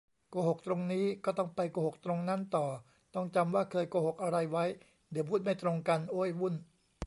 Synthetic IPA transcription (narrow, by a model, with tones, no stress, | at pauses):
koː˧ɦho˨˩k̚t̪ɾo˧ŋniː˦˥kɔː˥˩t̪ɔ˥˩ŋpa˧jkoː˧˩ho˨˩k̚t̪ɾo˧ŋna˦˥˨nt̪ɔː˨˩ | t̪ɔ˥˩ŋt͡ɕa˧mwaː˥˩kʰɤː˧jkoː˧˩ho˨˩k̚ʔa˧ɾa˧jwa˦˥j | dɛ˨˩˦pʰuː˥˩t̪̚ma˥˩jt̪ɾo˧ŋka˧nʔoː˥˨jwu˥˩n